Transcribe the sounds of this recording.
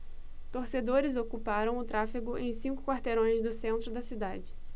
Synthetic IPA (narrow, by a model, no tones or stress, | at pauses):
t̪oɾsed̪oɾɪzokupaɾɐ̃w̃ʊt̪ɾafiɡʊʔẽj̃sĩŋkʊ̥kwaɾt̪eɾõj̃zd̪ʊsẽnt̪ɾʊd̪ɐsid̪ad͡ʒɪ